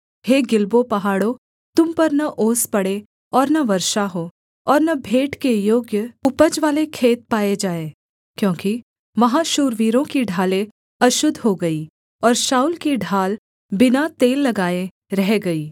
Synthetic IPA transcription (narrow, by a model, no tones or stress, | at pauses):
heːɡɪlbopɐɦaːɽõ | t̪ʊmpɐɾnɐʔoːspɐɽe | ɔːɾnɐʋɐɾʃaɦoː | ɔːɾnɐbʱeːʈkejoːɡjəʊpəd͡ʒʋaːlekʰeːt̪̚paːed͡ʒaːeː | kjõːki | mɐɦãʃuːɾʋiːɾõkiɖʱaːlẽ | ɐʃʊd̪ʱɦoɡɐiː | ɔːɾʃaːuːlkiɖʱaːl | bɪnat̪eːlːɐɡaːe | ɾɛɦɡɐiː